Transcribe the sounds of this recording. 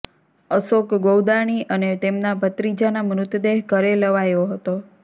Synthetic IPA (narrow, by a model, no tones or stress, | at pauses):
əsokɡowd̪aɳ̃iʔənet̪emnabət̪ɾid͡ʒanamɾʊt̪d̪eɦkəɾeləʋajoɦət̪o